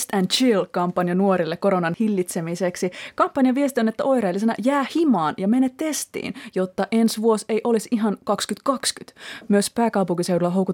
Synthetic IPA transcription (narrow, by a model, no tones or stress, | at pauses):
st̪ænt͡ʃilkɑmpːɑnjɑnuoɾilːekko̞ɾonɑnhilːit̪semiseksikɑmpːɑnjɑʋiest̪ionet̪ːæʔo̞iɾɑlːis̬enɑ̰jæːhimɑːnjɑmenet̪ːe̞st̪ḭːnjot̪ːɑʔe̞nsʋuoseiʔo̞lisiɦɑnkɑkskyt̪kɑkskyt̪myøspæːkɑupuŋkiseudulːɑɦowku